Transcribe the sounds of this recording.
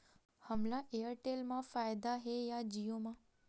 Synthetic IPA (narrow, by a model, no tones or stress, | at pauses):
həmlaʔejəɾʈelmãfajd̪aɦejad͡ʒijomã